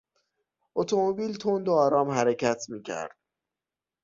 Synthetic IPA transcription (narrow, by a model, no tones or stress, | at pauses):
ʔot̪ʰomobiːlt̪ʰond̪oɒːɾɒːmɦæɾecʰæt̪ʰmiːcʰæ̰ɾd̪̥